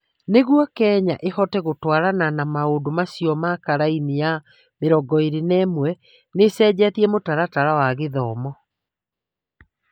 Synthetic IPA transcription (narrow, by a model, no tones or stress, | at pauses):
neɣwɔkɛːɲa̰ʔehɔtɛɣotwaɾananamaodomasiɔmakaɾainija | meɾɔɡɔeɾenɛːmwɛ | nesɛːd͡ʑatiɛmotaɾataɾawaɣeðɔːmɔ